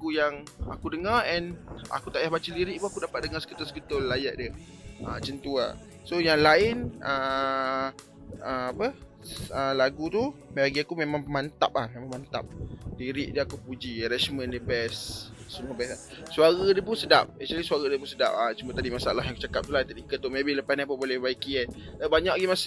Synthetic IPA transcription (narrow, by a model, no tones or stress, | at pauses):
aɡujaŋa̰kudəŋaɾɛna̰kut̪aʔjahbat͡ʃaliɾɪʔ̚puŋakudapat̪̚dəŋasə̥kit̪ʊlsə̥kit̪ʊlːajaʔdə | ət͡ʃənt̪ua̰ | sojaŋlaɪnə | əmapə | əlaɡut̪umaaɡiakumemãŋmant̪a̰p̚ahmẽmãŋmant̪a̰p̚diɾiʔ̚dəakupud͡ʒiɾɛt͡ʃmə̃ndəbɛssəmuəbɛsa | suaɾadəpʊnsədap̚ɛt͡ʃalisuaɾadəpunsəda̰p̚at͡ʃumat̪adimasaalahɦjãŋku̥t͡ʃakap̚t̪ulat̪atikət̪ːumẽbɪhləpasniapəbolɛhbaikiɛt̪̚abaɲakɡimas